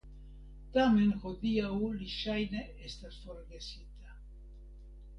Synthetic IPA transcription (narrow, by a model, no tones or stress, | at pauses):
t̪amenxoðiauliʃajn | est̪asfoɾɣesit̪a